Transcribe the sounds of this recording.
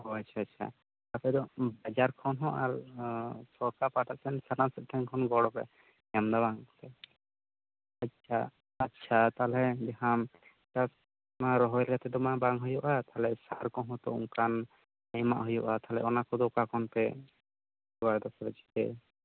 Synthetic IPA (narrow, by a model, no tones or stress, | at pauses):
ɦɔat͡ʃʰaatːʃʰa̰ | t̪apɛd̪ɔbad͡ʒaɾkʰɔnɦɔ̃ʔaɾ | sɔkapaʈasʰɛnsaɾnasɛʔ̚t̪ʰɛŋkʰɔnɡɔɽɔpɛ̰ | amd̪abaŋt̪ɛ | atːt͡ʃʰa̰ː | tːʃʰat̪alɛd̪ɛɦam | kas | maɾɔɦɔɛlkat̪ɛd̪ɔmabaŋɦujɔʔat̪aɦlɛsaɾkɔnɦɔ̃t̪ɔṵŋkan | ajma̰ʔɦujɔʔat̪aɦlɛ̰ʔɔnakɔd̪ɔkakɔnpɛ | sɔwaɾd̪ɔsɾɛt͡ʃʰi̥t̪ɛ̰